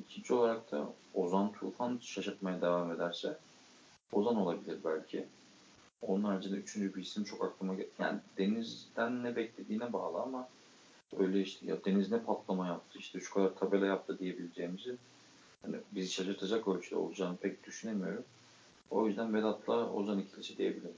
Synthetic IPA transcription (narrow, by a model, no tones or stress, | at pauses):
icʰind͡ʒio̞lˠaɾak̚t̪ʰa̰ | o̞zant̪ʰṵlˠfanʃaʃɯɾt̪majad̪e̞vame̞d̪æɾsɛ | o̞zano̞lˠabilʲiɾbælʲcʰi | o̞̰nunaɾad͡ʒɯnd̪ayt͡ʃʰynd͡ʒybiisimt͡ʃʰo̞kaklˠɯmaɟja̰ːnid̪̥e̞nizd̪ænːɛbɛclʲe̞d̪iːnɛba̰ːlˠɯama | ø̞jlʲɛiʃt̪ʰɛ̰ja̰d̪e̞niznɛpʰat̪lˠamajap̚t̪ʰɯiʃt̪ʰɛʃu̥kʰad̪aɾt̪ʰabelʲɛjap̚t̪ʰɯd̪ije̞bilʲed͡ʒeːmizi | hanḭbiziʃaʃɯɾt̪ʰad͡ʒakølʲt͡ʃʰyd̪ɛ̰o̰lˠud͡ʒaːnɯpʰɛc̚d̪̥yʃynemijo̞ɾum | o̞̰jyzd̪ænved̪at̪lˠao̞̰zanicʰilʲisɛd̪eje̞bilʲiɾ